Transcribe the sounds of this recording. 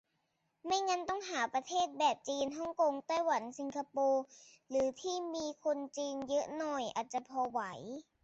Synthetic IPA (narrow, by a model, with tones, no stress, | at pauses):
ma˥˩jŋa˧˥nt̪ɔ˥˩ŋɦaː˩˦pɾa˧t̪ʰeː˥˩t̪̚bɛː˨˩p̚t͡ɕiː˧nɦɔ˥˩ŋko˧ŋt̪a˥˩jwa˩˦nsi˧ŋkʰa˧poː˧ | ɾɯː˩˦t̪ʰiː˥˩miː˧kʰo˧nt͡ɕiː˧njɤ˦˥nɔ˨˩jʔa̰ː˨˩t̪̚t͡ɕa˨˩pʰɔː˧wa˩˦j